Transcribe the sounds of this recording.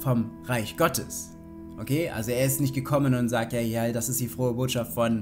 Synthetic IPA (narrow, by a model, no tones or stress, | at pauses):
fɔmʁaɪçɡ̥ɔtʰə̰s | ʔokʰeːʔa̰lzoeːɐɪstnɪçt̚ɡ̥əkʰɔmənʊntz̥aːk̚tjaːjaːd̥asɪstd̥iːfʁ̥oːəboːtʃaftfɔn